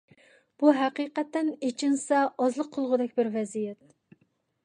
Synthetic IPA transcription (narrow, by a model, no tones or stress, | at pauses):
b̥uɦæqiqɛt̪ːɛnet͡ʃʰinsɛɑzlˠəqʰːəlˠʁʊd̪ɛkʲbɪɾvɛzijɛt̪̚